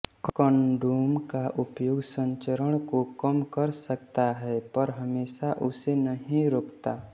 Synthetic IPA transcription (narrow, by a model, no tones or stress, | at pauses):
kkɔ̃nɖuːmkaʔʊpjʊɡsə̃ɲt͡ʃəɾəɽ̃kokəmkɐɾsək̚t̪aɦɛpəɾɦɐmeːʃaʔʊsenɐɦĩɾoːkt̪aː